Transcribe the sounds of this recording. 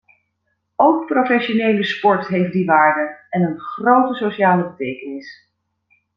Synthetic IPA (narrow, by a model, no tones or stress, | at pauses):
owk̚profɛʃonejləspɔɹtɦejf̚diʋaːɹdəɛnənχrowtəsoʃaːləbətejkənɪs